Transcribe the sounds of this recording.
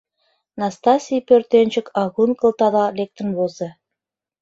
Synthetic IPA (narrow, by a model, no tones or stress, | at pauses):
nɑst̪ɑsʲijpørt̪enʲt͡ɕɘ̆kʰɑɣunkɤ̆lt̪ɑd̪ɑlʲek̚t̪ɘ̆nβozĕ